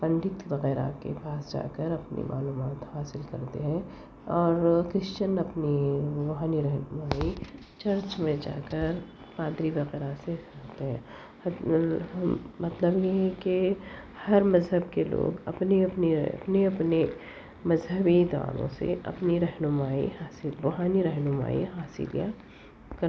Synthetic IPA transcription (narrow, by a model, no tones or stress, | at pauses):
pɐ̃ɳɖɪt̪ʋɐɣɛːɾa̰kḛpaːsd͡ʒa̰ːkəɾɐpnḭmʔa̰ːluːmaːt̪haːsɪlkɐ̰ɾt̪eɦɛ̃ | ɔːɾkɾɪʃt͡ʃənɐpniʋʊɦaːniɾɛɦnʊmaːi | t͡ʃɐɾt͡ʃmẽd͡ʒa̰ːkəɾ | paːd̪ɾiʋɐɣɛːɾasekɐɾt̪eɦɛ̃ː | mɐt̪ləbjeɦɛkehɐɾmɐzɦəbkelo̰ːɡɐ̰pneɐpniɐ̰pneɐpne | mɐzɦəbid̪ʋa̰ːlõ̰sḛʔɐ̰pniɾɛɦnʊmaːḭɦaːsɪlʋɐɦaːniɾɛɦnʊma̰ːḭɦaːsɪ̰lja̰ | kɐɾ